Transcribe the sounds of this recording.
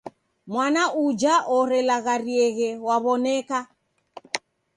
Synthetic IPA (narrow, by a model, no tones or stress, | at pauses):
mwanaʔud͡ʒaʔɔɾɛlaɣaɾiɛɣɛwaβɔnɛka